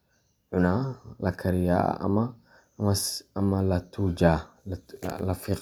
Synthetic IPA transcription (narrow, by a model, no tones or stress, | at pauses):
ʕunalakʰaɾija̰a̰ma | masamalat̪ʰud͡ʒa | lafiq